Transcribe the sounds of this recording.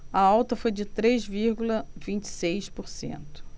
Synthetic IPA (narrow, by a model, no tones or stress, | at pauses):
ɐawt̪ɐfojd͡ʒɪt̪ɾezviɾɡulɐvĩnt͡ʃɪ̥sejspoɾsḛ̃nt̪ʊ̥